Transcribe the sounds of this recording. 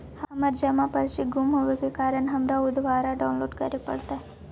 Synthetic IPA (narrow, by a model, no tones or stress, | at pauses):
hɐməɾd͡ʒɐmãpəɾʃiɡumɦoʋekekaːɾəɳɦɐmɾaʊd̪ʋaːɾaɖawnloːɖkəɾepɐ̰ɽt̪a